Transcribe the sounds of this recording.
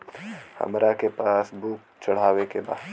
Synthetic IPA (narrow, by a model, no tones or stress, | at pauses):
hɐ̰mɾakepaːsbuːk̚ | t͡ʃɐɽ̤aːʋekeba̰ːd̪